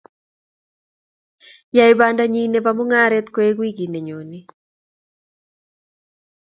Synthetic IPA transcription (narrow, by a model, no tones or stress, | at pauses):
jaiβandaɲineβamoŋaɾɛt̪koeɣwiɡineɲone